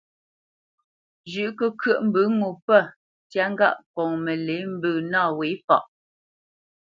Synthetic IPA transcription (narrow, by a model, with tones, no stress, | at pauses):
d͡ʒʉ˨ʔkə˦kɥə˦ʔm̩˨bʉ˨˦ŋu˨pə˦˨ | tja˦ŋ̩˦ɡa̰˦˨ʔkɔ˨ŋmə˨le˨˦m̩˦bʉː˨naː˦˨we˨˦fa̰˨ʔ